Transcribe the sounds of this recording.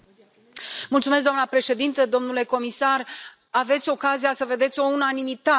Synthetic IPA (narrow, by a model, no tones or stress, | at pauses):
mult̪sumes̬̚d̪oamnəpɾe̞ʃe̞d̪int̪əd̪o̞mnule̞ko̞misar | ave̞t̪sʲo̞kazijasəve̞d̪e̞t̪sʲo̞unanimit̪a